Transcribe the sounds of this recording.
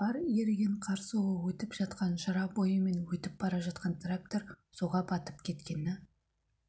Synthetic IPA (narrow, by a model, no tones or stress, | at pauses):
b̥ɑɾjeɾɡʲeɴqʰɑɾsuwəwɵt̪ɪpʒɑt̪qɑnʃɑɾɑbo̞jəme̞nwɵt̪ɪp̚bɑɾɑʒɑt̪̚qɑnt̪ʰrak̚t̪oɾ | so̞ʁɑbɑt̪ə̥pkʲʰe̞t̪kʲe̞nɪ